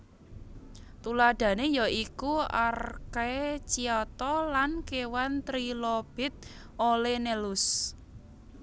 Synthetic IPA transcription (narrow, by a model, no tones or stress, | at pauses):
t̪ulad̪̥a̤nejɔikua̰rkat͡ʃiɔt̪ɔlankewant̪ɾilob̥ɪ̤t̪̚ | olenelʊs